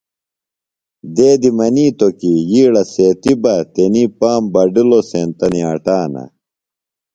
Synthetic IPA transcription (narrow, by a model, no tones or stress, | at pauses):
d̪eːd̪imɐniːt̪okijiːɽɐseːt̪ibɐt̪eniːpaːmbɐɖiloseːnt̪ɐniaːʈaːnɐ̰